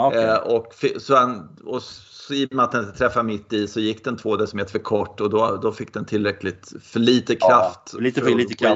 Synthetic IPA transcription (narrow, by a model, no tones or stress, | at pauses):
ɔkːfɪsɔanɔsɔɪjmat̪d̪ɛnt̪ʰɾɛfːamɪt̪ːɪsɔjɪkːd̪ɛnt̪ʰvoːd̪ɛsɔmheːt̪əfœɾkʰɔʈːɔd̪ɔd̪ɔfɪk̚ːd̪ɛnt̪ʰɪlːɾɛklɪt̪fœɭiːt̪əkʰɾaft̪ːliːt̪